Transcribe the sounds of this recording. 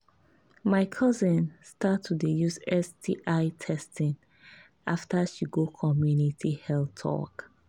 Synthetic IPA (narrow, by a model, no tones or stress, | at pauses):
maɪkʰʌzə̃nstʰatʰːudejusɛstiʔaɪtʰɛstĩn | ʔaftʰaʃiɡokʰɔmjunitʰihɛltʰɔ̰k